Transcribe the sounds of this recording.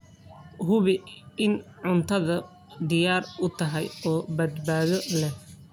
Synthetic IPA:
ɦʊβɪɪnʕʊnt̪ʰɐðɐ | d̪ɪjaːrʊt̪ʰɐɦɛjɔːbɐd̪baːðɔlɛ

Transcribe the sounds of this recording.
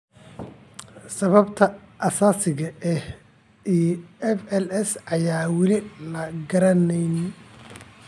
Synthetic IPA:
sɐβɐbt̪ʰɐʔɐsaːsɪɣɐʔɛh | ijɛfɛlɛsɐjaːwɪlɪlɐɡɐɾɐnɛjn

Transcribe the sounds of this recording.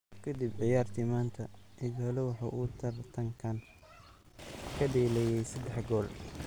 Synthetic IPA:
kʰɐd̪ibʕɪjaːrt̪ʰɪmaːnt̪ʰɐʕɪðɔlɔwɑħɑ̰ʔuːt̪ʰɐrt̪ʰɐŋkʰɐn | kʰɐɖɛːlɛjɛjsɐd̪ɛħɡɔːl

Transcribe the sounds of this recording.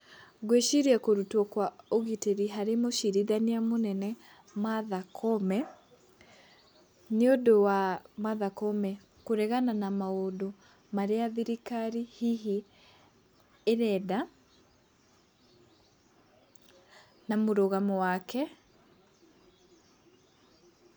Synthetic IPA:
ɣweʃiɾiɛkoɾutwɔkwaoɣiteɾiɦaɾemoʃiɾiðaniamonɛnɛ | maðakʰɔmɛ | neodowamaðakɔmɛ | koɾɛɣananamaodo | maɾeaðiɾikaɾihiɦi | eɾɛða | namoɾoɣamɔwakɛ

